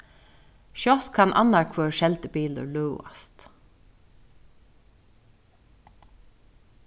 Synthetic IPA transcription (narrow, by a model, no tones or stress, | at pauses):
ʃjɔt̪kʰanʔa̰nːaɹkʰøːɹʃɛlt̪əpiːlʊ̰ɹluːa̰st̪